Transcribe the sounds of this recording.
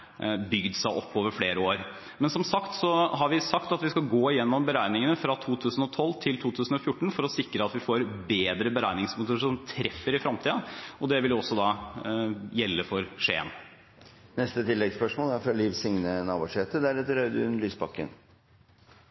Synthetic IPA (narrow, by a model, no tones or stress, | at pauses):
bʏɡd̪sæɪʔɔpːoːʋəɾfleːɾəoːɾ | mɛnsɔmsɑkt̪sɔɦɑɾʋɪsɑkt̪ɑt̪ʋɪskɑɡoːɪjɛnːɔmbəɾæɪnɪŋənəfɾɑt̪ʰuːt̪ʰʉːsn̩ɔt̪ʰɔlːt̪ʰɪlt̪ʰuːt̪ʰʉːsn̩ɔfjʊʈːɳ̩fɔɾɔsɪkːɾəɑt̪ʋɪfoːɾbeːd̪ɾəbəɾæɪnɪŋsmʊt̪ʊʂɔnt̪ʰɾɛfːəɾɪfɾɑmt̪ʰiːd̪ɑɔd̪ɛʋɪljɔsːɔd̪ɑː | jɛlːəfɔɾʂḛːə̰n | nɛst̪ət̪ɪlːɛɡspœʂmoːlæɾfɾɑliːʋsɪŋnənɑːbuːʂeːt̪əd̪æɾɛt̪əɾɑʉd̪ʉʉnlyːsbɑkːə̰n